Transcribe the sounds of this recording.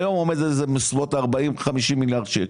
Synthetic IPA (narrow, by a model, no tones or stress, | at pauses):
jo̞momed̪ezemesvot̪aʁbaimχamiʃimːiljaʁd̪ʃek